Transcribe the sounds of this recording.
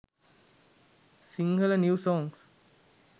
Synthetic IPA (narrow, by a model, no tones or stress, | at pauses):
sĩŋɡələnjuːsɔ̃ːŋs